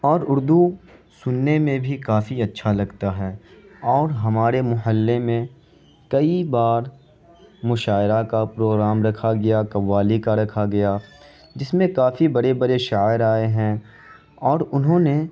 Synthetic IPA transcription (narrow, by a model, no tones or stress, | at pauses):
ɔːɾʊɾd̪usʊnːemẽbʱikaːfiɐtːʃʰalɐɡt̪aɦɛːɔːɾɦɐmaːɾemʊɦəlːemẽ | kɐibaːɾ | mʊʃaːɪɾakapɾoːɡɾaːmɾɐkʰaɡɐjakɐʋːaːlikaɾɐkʰaɡɐja | d͡ʒɪsmẽkaːfibɐɽebɐɾeʃaːɪɾaːeɦɛ̃ | ɔːɾʊnɦõːne